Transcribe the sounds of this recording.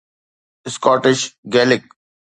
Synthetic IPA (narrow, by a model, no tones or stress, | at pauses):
ɪskɔːʈɪʃɡɛːlɪk̚